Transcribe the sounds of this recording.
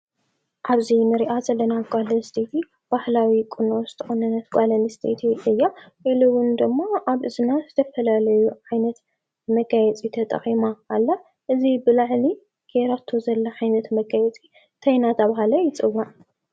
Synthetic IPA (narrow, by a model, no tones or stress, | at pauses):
ʔaβzinɨɾiʔazɐlːɐnaɡʷʼalɐnst̪ʰet̪ʰi | b̥ahlawikʼɨnozɨt̪ʰɐxonɐnːɐt̪̚ɡʷʼalɐnist̪ʰḛt̪ʰiʔɨjːaʔɨlɨwʊnd̪ɨmːaʔaβʔɨzɨnazɨt̪ʰɐfɐlalɐjuʕajnɐt̪ | mɐɡajɛt͡sʼit̪ʰɐt̪ʼɐ̰χʼimaːlːa | ʔɨzibɨlaʕli | ɡ̥eɾat̪ʰːozɐlːɐʕajnɐt̪mɐɡajɛt͡sʼi | t̪ʰɐjnat̪ʰɐβaɦalɐjɪt͡sʼɨwːan